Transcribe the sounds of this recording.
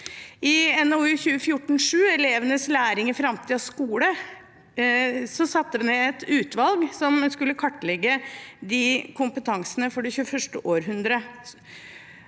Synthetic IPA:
ɪɛnoʉːçʉːəfjʊʈːɳ̩ʂʉːɛleːʋənəslæːɾɪŋəɾfɾɑmt̪ʰɪɑskuːlə | sɔsɑt̪ːəʋneɛt̪ʉːt̪ʋɑlɡsɔmskʉlːəkʰɑʈːlɛɡːəd̪ɪkʰʊmpət̪ʰɑŋsənəfɔɖɛçʉːəfœʂʈəʔoːɾɦʉnd̪ɾə

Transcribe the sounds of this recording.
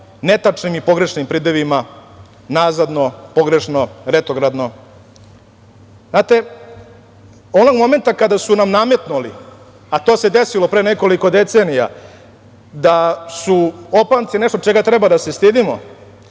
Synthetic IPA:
net̪at͡ʂnimipo̞ɡɾeʂnimpɾid̪eʋima | nazad̪no̞po̞ɡɾe̞ʂnoɾet̪oɡɾad̪no̞ | znaːt̪e̞ | o̞no̞ɡmo̞me̞nt̪akad̪asunamname̞t̪nulḭ | at̪oːse̞d̪e̞silo̞pɾeːneko̞liko̞d̪e̞t̪seːnija̰ | d̪asuopant̪sineʂt̪ot͡ʃeɡat̪ɾebad̪ase̞st̪id̪imo̰

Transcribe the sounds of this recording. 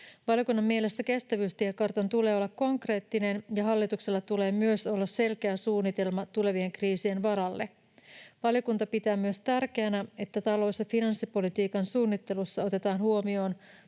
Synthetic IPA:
ʋɑljokunːɑmːie̞le̞st̪æke̞st̪æʋyːst̪iækɑrt̪ɑnt̪ule̞ːo̞lːɑkko̞ŋkre̞ːt̪ːine̞njɑɦɑlːit̪ukselːɑt̪ule̞ːmyø̞so̞lːɑsse̞lkeæsuːnːit̪e̞lmɑt̪ule̞ʋie̞ŋkriːsie̞nʋɑɾɑlːe | ʋɑljo̞kunt̪ɑpit̪æːmyø̞st̪ærk̟eænæe̞t̪ːæt̪ɑlo̞ːsːɑfinɑnsːipo̞lit̪iːkɑnsuːnːit̪ːe̞lusːɑo̞t̪e̞t̪ɑːnhuomio̞ːn

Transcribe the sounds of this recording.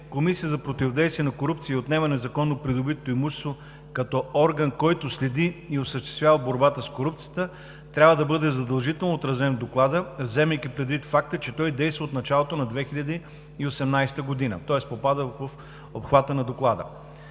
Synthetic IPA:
komisiəzɐpɾot̪ivod̪ɛjst̪viɛnɐkoɾup̚t̪siot̪nɛvɐnɛzɐkɔnːopɾid̪obit̪t̪oimuʃɛ̥st̪vo | kɐt̪ɔɔɾɡənkɔjt̪ʊslɛd̪iiosəʃt̪ɛ̥st̪vʲjavəboɾbat̪əskoɾup̚t̪sijət̪ə | t̪ɾʲabvəd̪ɐbɤd̪ɛzɐd̪ɐlˠʒit̪ɛlˠnoot̪ɾɐzɛnd̪oklˠad̪əvzɛmɛjkipɾɛd̪vit̪fak̚t̪ət͡ʃɛt̪ɔjd̪ɛjst̪vəot̪nɐt͡ʃalˠot̪onɐd̪vɛxiʎʲɐd̪i | iosɛmnajst̪əɡod̪inə̰t̪ɔɛspopad̪ə | opxvat̪ənɐd̪oklˠad̪ə̰

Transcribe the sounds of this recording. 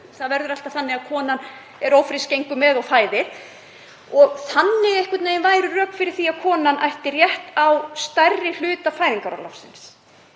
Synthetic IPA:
θaðvɛɾðʏɾal̥t̪avθanːɪɣaðkʰɔːnan | ɛɾowfɾɪscejŋkʏmɛðɔɣfaːjðɪɾ̥ | ɔɣθanːɪɛhkvɪt̪neːjnvaːjɾʏrœːkfɪɾɪɾ̥θiḁkʰɔːnanʔa̰jht̪ɪrjɛht̪awst̪arːɪl̥ʏːt̪afaːjðiŋkaɾa̰lɔ̰wfsɪns

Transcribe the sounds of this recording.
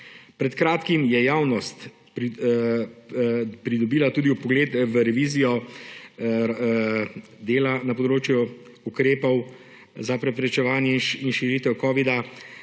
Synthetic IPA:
pɾɛt̪kɾaːt̪kimjɛjaːwnɔst̪ | pɾid̪ɔbiːlat̪uːd̪iupɔɡleːt̪ʋəɾɛʋiːzijɔ | d̪eːlanapɔd̪ɾoːt͡ʃju | ukɾeːpɔw | zapɾɛpɾɛt͡ʃɛʋaːnjɛinʃiɾiːt̪ɛwkɔːʋid̪a

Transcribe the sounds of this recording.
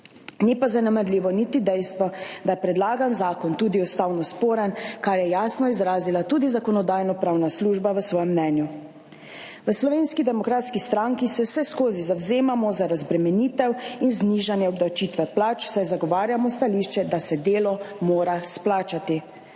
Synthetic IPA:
nipazanɛmɛɾliːʋɔnit̪id̪ɛjst̪ʋɔd̪ajɛpɾɛd̪laːɡanzaːkɔnt̪uːd̪iɔst̪aːwnɔspoːɾənkaɾjɛjaːsnɔizɾaːzilat̪uːd̪izakɔnɔd̪aːjnɔpɾaːwnasluʒbaʋəsʋɔːjɛmnɛːnju | ʋəslɔʋeːnskid̪ɛmɔkɾaːt̪skist̪ɾaŋkisɛsɛskoːzizawzeːmamɔzaɾazbɾɛmɛniːt̪ɛwinzniːʒanjɛɔbd̪awt͡ʃit̪ʋɛplaːt͡ʃsajzaɡɔʋaːɾjamɔst̪aliːʃt͡ʃɛd̪asɛd̪eːlɔmoːɾasplaːt͡ʃat̪i

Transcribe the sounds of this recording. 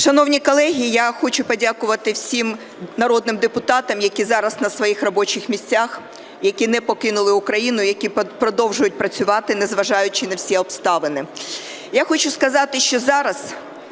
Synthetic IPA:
ʃɐnɔwnʲikɔlˠɛɦʲiijaxɔt͡ʃʊpɔdʲakʊʋɐt̪ɪwsʲim | nɐɾɔd̪nɪmd̪epʊt̪ɑt̪ɐmjɐkʲizɑɾɐznɐsʋɔjixrɔbɔt͡ʃɪxmʲisʲt͡sʲax | jɐkʲinɛpɔkɪnʊlˠɪʊkɾɐjinʊjɐkʲipɾɔd̪ɔwʒʊjʊt̚ʲpɾɐt͡sʲʊʋɑt̪ɪnɛzʋɐʒɑjʊt͡ʃɪnɐwsʲɛɔpst̪ɑʋɪnɪ | jaxɔt͡ʃʊskɐzɑt̪ɪʃt͡ʃɔzɑɾɐz

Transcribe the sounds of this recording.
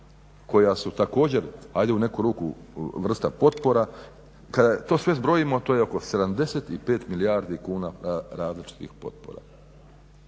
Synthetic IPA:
ko̞jasut̪ako̞ːd͡ʑe̞ɾajd̪e̞une̞kuɾuːku | ʋr̩st̪apo̞t̪po̞ɾa | kad̪at̪o̞ːsʋe̞zbɾo̞jimo̞t̪o̞ːjeo̞ko̞se̞d̪amd̪e̞set̪ipe̞ːt̪milijaɾd̪ikuːnaɾaːzlit͡ʃi̥t̪ḭxpo̞̰t̪̚po̞̰ɾa̰

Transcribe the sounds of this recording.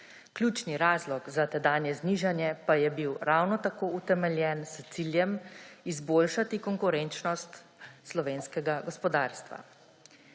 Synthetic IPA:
klʲjuːt͡ʃniɾaːzlɔɡzat̪ɛd̪aːnjɛzniːʒanjɛpajɛbiwɾawnɔt̪akoːut̪ɛmɛljɛːnst̪siljɛmizboːlʃat̪ikɔŋkuɾɛnt͡ʃnɔst̪ | slɔʋeːnskɛɡaɡɔspɔd̪aːɾst̪ʋa̰

